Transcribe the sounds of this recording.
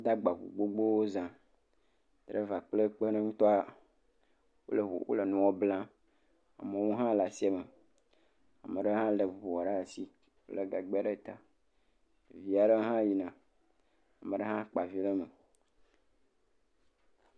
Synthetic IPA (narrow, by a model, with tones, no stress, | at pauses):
wo˦d̪a˦ɡ͡ba˨vṵ˨ɡ͡bo˦ɡ͡bo˦wo˦zã˨ | d̪ɾe˦va˨k͡plə˦k͡pə˦nə̃˦ŋũ˦t̪ɔ˦a˨ | wo̰˦lə̰˨wo̰˦lə˨nũ˨wɔ˦blã˦ | a̰˨me˨wũ˦ɦã˦la˨si˦e˨mə˨ | a˨mə̃˨ɖə˦ɦã˦lə˨vu˨wɔ˨ɖa˦˨si˦ | wo˦le˨ɡa˨ɡ͡ba˦ɖe˦˨t̪a˨ | vi˦a˨ɖə˦ɦã˦ji˨nã˨ | a˨mə̃˨ɖə˦ɦã˦k͡pa˨vi˦lə˦mə˨